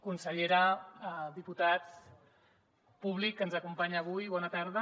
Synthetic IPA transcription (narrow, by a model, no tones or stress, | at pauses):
kunsəʎeɾaðiput̪at͡s | puβ̞likːənzəkumpaɲaːβ̞ujβɔnat̪aɾð̞ə